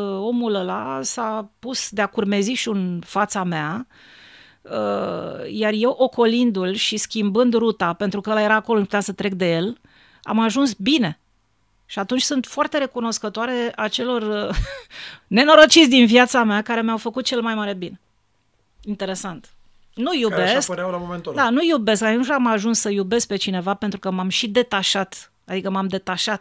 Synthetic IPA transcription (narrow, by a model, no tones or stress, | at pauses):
o̞muləlasapusd̪eakurme̞ziʃunfat̪samea | əjarje̞wʔoko̞lind̪ulʃiskʲimbɨnd̪rut̪ape̞nt̪ɾukəəlaje̞ɾaːkoloɨnpu̥t̪ʲasət̪ɾe̞k̚d̪e̞je̞l | a̰maʒunsbine̞ | ʃiat̪unt͡ʃʲsunt̪foart̪e̞ɾe̞kuno̞skət̪oaɾe̞at͡ʃe̞lo̞r | ne̞no̞ɾo̞t͡ʃit̪sʲd̪invjat̪sameakaɾe̞meawfəkut̪̚t͡ʃe̞lmajmaɾe̞bine̞ | int̪e̞ɾe̞sant̪ | nujubeskpəɾawlamomenud̪anujube̞skat̪unt͡ʃamaʒunsːəjube̞sk̚pe̞t͡ʃine̞vape̞nt̪ɾukəmamʃid̪e̞t̪aʃat̪ | ad̪ikəmamd̪e̞t̪aʃat̪̚